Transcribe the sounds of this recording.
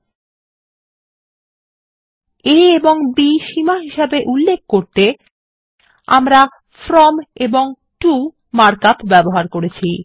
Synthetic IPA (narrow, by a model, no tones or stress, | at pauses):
eeboŋbiʃimaɦiʃabeʔulːek̚koɾt̪e | a̰mɾa | fɾɔmeboŋ | ʈu | maɾkapbɛboɦaɾkoɾet͡ɕʰi